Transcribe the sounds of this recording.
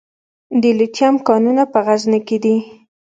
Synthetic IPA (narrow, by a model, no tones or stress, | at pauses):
d̪əlitjamkɑnunapəɣazneked̪i